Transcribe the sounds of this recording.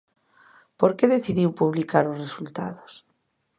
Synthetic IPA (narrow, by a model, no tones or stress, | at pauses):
poɾkeðeθiðiwpuβlikaɾozresult̪a̰ðos